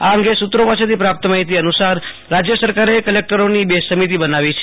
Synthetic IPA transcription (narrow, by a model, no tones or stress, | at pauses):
aəŋɡesut̪ɾopaset̪ʰipɾap̚t̪əmaɦit̪iənusaɾ | ɾad͡ʒjəsəɾkaɾekəlek̚ʈəɾonibesəmit̪̬ibənaʋit͡ʃʰe